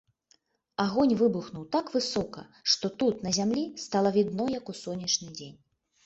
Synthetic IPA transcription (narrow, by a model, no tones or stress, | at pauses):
aɣɔnʲvɨbuxnuwt̪akvɨsɔkɐ̰ʂt̪ɔt̪ut̪nɐzʲamlʲist̪alˠɐvʲid̪nɔjɐkusɔnʲːɐt͡ʂnʲɨd͡zʲenʲ